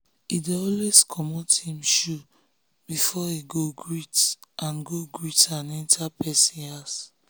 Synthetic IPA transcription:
ideɔlweskʰɔmothĩmʃu | b̥ifɔiɡoɡɹitʔãnɡoɡɹitãnɛ̃ntʰapɛsĩas

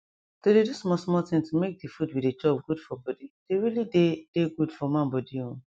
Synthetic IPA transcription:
d̥ededusmɔsmɔtĩŋtumek̚defudwided͡ʒɔb̚ɡud̥fɔbɔdid̥eɹilided̥eɡud̥fɔmãnbɔdiõn

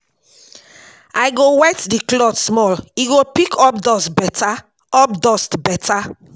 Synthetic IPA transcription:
ajɡowɛtdiklɔtsmɔliɡopikʰɔp̚dɔstbɛtʰa | ɔp̚dɔstbɛtʰa

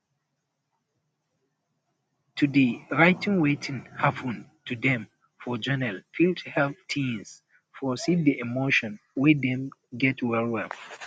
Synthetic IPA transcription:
tʰudiɹaɪtʰĩŋwetʰĩŋhapə̃ntʰudɛ̃m | fɔd͡ʒɛnɛlfilthɛltʰĩns | fɔsivdiʔɛmoʃɔ̃nwidɛ̃mɡɛtwɛlwɛl

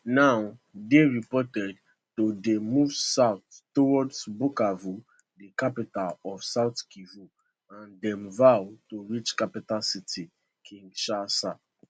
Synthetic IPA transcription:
naʊdeɹipɔtɛd | todemuvsaʊttowɔdsbukavu | dikapitalɔfsaʊtkivu | ãndɛ̃mvawtoɹit͡ʃkapitalsitʰi | kʰĩŋɡʃasa

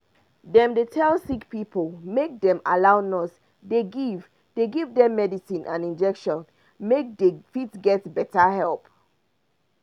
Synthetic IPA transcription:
dɛ̃mdetʰɛlˠsikpipʰəlˠmek̚dɛ̃malaʊnɔs | deɡiv | deɡivdɛ̃mːɛdisĩnʔã̰nĩnd͡ʒɛkʃɔ̃n | mek̚defitsɡɛtbɛtəhɛlˠp

